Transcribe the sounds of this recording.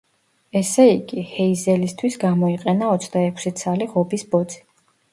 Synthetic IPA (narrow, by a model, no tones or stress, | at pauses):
ɛsɛiɡihɛizɛlist̪ʰwisɡamɔiqʼɛnaɔt̪sʰd̪aɛkʷʰsit̪sʰaliʁɔbisbɔd̪z̥i̥